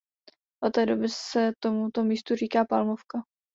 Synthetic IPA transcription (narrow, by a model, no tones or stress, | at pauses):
ʔot̪ːɛːdo̞bɪsɛt̪omut̪o̞miːst̪uriːkaːpalmofka